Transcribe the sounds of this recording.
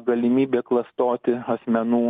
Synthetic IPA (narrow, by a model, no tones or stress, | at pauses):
ɡɐlʲɪmʲiːbʲeːklˠɐst̪oːt̪ʲɪɐsʲmʲɛnuː